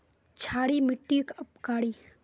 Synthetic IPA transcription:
t͡ʃʰaːɽimɪʈːiːkɐpkaːɽiː

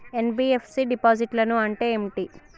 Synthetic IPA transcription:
enbiːepʰsiɖipaːd͡ʒiʈlɐnuɐɳʈeːemʈiː

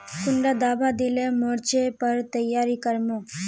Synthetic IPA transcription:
kʊɳɖad̪aːbad̪ɪlẽmoːɾt͡ʃepəɾt̪əjːaːɾikəɾmoː

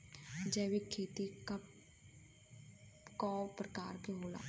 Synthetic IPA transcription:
d͡ʒəːwekʰːeːt̪ikɐ | kapɾəkaːɾkeɦoːla̰ː

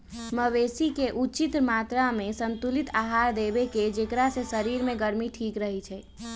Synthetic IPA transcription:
məʋesikeʔut͡ʃit̪ɾmat̪ɾamesənt̪ulit̪aɦaɾd̪ebeked͡ʒekɾasesəɾiɾmeɡəɾmiʈʰikɾəɦɛt͡ʃʰɛ

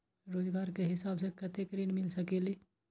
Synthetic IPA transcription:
ɾoːd͡ʒɡaːɾkeɦɪsaːbsekɐt̪ekɾiːnmɪlsɐkeli

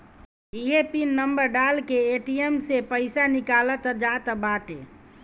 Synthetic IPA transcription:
iɦepinːəmbəɾɖaːlkeeʈiemsepəɪsanikaːlət̪əd͡ʒaːt̪əbaːʈḛː

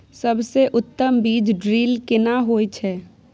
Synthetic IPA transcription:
sɐbseʔʊt̪ːəmbiːd͡ʒɖɾiːlkɪnaɦoːit͡ʃʰɛː

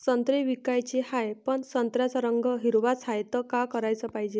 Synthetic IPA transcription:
sənt̪ɾeʋikajt͡ɕehajpənsənt̪ɾjat͡saɾəŋɡəɦiɾʋat͡shajt̪əkakəɾajt͡səpaɦid͡ʑe

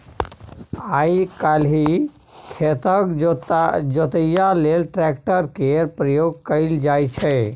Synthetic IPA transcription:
aːikalɦi | kʰet̪ək | d͡ʒot̪əjaleːlʈɾɛkʈəɾkeɾpɾəjoːɡ̚kəɪld͡ʒaːit͡ʃʰɛ

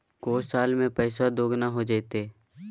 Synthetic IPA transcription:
koːsaːlmẽpɛːɪsad̪oːɡnaɦod͡ʒeːt̪eː

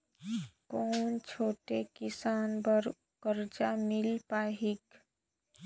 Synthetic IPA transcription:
koːnt͡ʃʰoːʈekɪsaːnbəɾ | kəɾd͡ʒamɪlpaːɦik

